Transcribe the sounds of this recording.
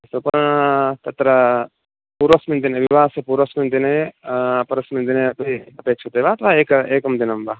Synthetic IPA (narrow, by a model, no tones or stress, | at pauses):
sopɐt̪ɐt̪ɾɐ | puːɾosmĩnd̪ineʋiʋaːsepuɾosmind̪ine | pɐɾɐsmind̪ineɐpeɐpeːt͡ʃʰot̪eʋaːt̪ʋaeːkeːkɐmd̪inɐmbaː